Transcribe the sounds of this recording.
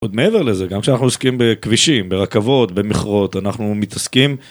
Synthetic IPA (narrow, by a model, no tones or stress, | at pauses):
o̞d̪meeveʁleze̞ɡamkʃeanaχnuoskimbe̞kviʃimbeʁakavo̞tbe̞miχʁo̞t̪anaχnumit̪askim